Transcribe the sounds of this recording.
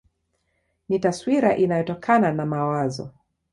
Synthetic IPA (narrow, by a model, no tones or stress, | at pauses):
nitaswiɾaʔinajɔtɔkʰananamawazɔ̰